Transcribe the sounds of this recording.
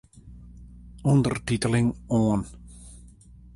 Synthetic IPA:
ɔndərtitəlɪŋɔən

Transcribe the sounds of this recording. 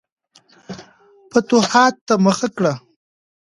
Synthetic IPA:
pət̪ʊhɑt̪̚t̪ːaməxakɽa

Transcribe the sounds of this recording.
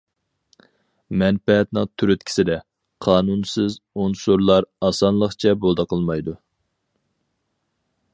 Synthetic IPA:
mɛnpɛɛt̪nɪŋt̪ʰyɾyt̪̚kʲi̥sɪd̪ɛ | qʰɑːnunsɪzunsuɾlˠɑɾɑsɑnlˠəχt͡ʃʰɛbolˠd̪əqʰəlˠmɑjd̪u

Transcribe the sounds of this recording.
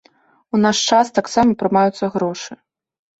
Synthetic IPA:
unaʂt͡ʂast̪aksamɐpɾɨmajut̪sːɐɣɾɔʂɨ

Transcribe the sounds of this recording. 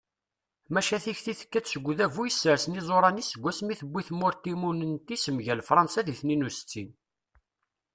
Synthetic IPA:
mæʃæθiçθiθə̥kːæt͡ssəɡʷːðævujəsːəɾsənizˤoɾˤɑnisəɡʷːæsmiθəbʷːiθmʊɾt̪ːimunənt̪isəmʝælfɾˤɑnsæðiθninust͡sːin

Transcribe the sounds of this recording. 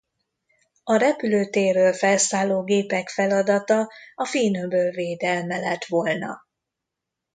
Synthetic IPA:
ɒɾɛpyløːt̪eːrøːlfɛlsaːloːɡeːpɛkfɛlɒd̪ɒt̪ɒɒfiːnøbøːlveːd̪ɛlmɛlɛt̪ʋolnɒ̰

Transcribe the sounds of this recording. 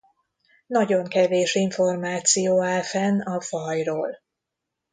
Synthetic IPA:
nɒɟo̞ŋkɛveːʃiɱfo̞rmaːt̪sijoːaːlfɛnɒfɒjroːl

